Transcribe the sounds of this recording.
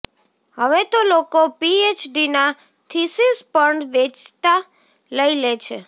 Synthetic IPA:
ɦəʋet̪olokopiet͡ʃɖina | t̪ʰisispəɳʋet͡ʃʰt̪a | ləilet͡ʃʰḛ

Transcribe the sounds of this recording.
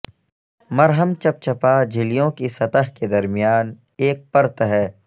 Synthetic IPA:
mɐɾɦəmt͡ʃɐp̚t͡ʃɐpad͡ʒʱɪlijõkisɐt̪əɦked̪ɐɾmijaːn | eːk̚pɐɾt̪ɦɛː

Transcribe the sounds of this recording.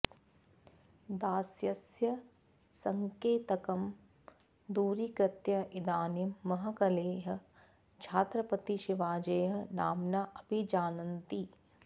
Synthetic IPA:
d̪aːsjɐsjɐ | sɐŋkeːt̪ɐkɐm | d̪uːɾikɾɐt̪jɐʔɪd̪aːnjɐmːɐɦɐ̆kɐleːɦɐ̆ | t͡ʃʰaːt̪ɾɐpɐt̪iʃiʋaːd͡ʒɐːjɦɐ̆na̰ːmnaʔɐpid͡ʒaːnɐnt̪i

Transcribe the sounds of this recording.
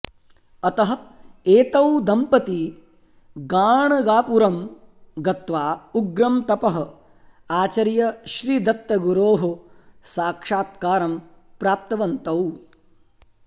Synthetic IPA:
ɐt̪ɐɦɐ̆eːt̪ɐwd̪ɐmpɐt̪i | ɡaːɳɐɡaːpuɾɐmɡɐt̪ʋaːuɡɾɐmt̪ɐpɐɦɐ̆ | aːt͡ʃɐɾjɐʃɾiːd̪ɐt̪ːɐɡuɾoːɦɐsaːkʂaːt̪kaːɾɐm | pɾaːp̚t̪ɐʋɐnt̪ɐw

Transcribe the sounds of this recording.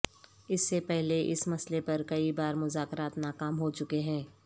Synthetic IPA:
ɪsːepɛɦleʔɪ̰smɐslepɐɾkɐibaːɾmʊzaːkɾaːt̪naːkaːmɦot͡ʃʊkeɦɛ̃ː

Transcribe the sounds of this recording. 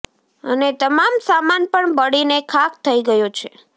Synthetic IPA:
ənet̪əmamsamanpəɳbəɽinekʰak̚t̪ʰəiɡəjot͡ʃʰe

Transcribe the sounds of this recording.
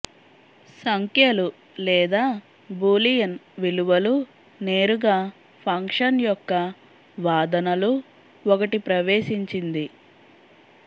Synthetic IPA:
sɐŋkjɐlu | lɛːd̪aː | buːlijɐnʋiluʋɐlu | neːɾuɡaː | pʰɐŋkʂɐnjɔkːɐ | ʋaːd̪ɐnɐlu | ɔkɐʈipɾɐʋeːʃiɲt͡ʃind̪i

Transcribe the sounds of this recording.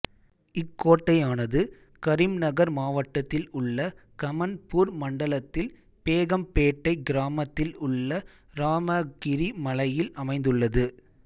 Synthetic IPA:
ɪkːoːʈːɐjaːnɐðɯ | kɐɾɪmnɐɣɐɾmaːʋɐʈːɐt̪ːɪlʊɭːɐkɐmɐnpuːɾmɐɳɖɐɭɐt̪ːɪl | peːɣɐmpeːʈːɐɪɡɪɾaːmɐt̪ːɪlʊɭːɐ | ɾaːmɐɡɪɾimɐlɐjɪlɐmɐɪnd̪ɯɭːɐðɯ

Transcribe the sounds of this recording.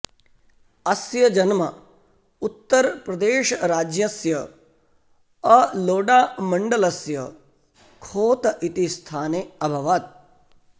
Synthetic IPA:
ɐsjɐd͡ʒɐnmɐ | ut̪ːɐɾpɾɐd̪eːʃɾaːd͡ʒjɐsjɐ | ɐloːɖaːmɐɳɖɐlɐsjɐ | kʰoːt̪ʔit̪ist̪ʰaːneːɐbʱɐʋaːt̪̚

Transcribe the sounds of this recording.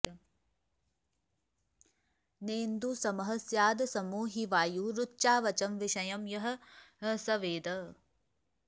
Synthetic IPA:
neːnd̪uːsɐmɐɦɐsjaːd̪sɐmuːɦiʋaːjuːɾʊtːʃaːʋɐt͡ʃɐmʋɪʃɐjɐmjɐɦɐ̆sɐʋeːd̪ɐ

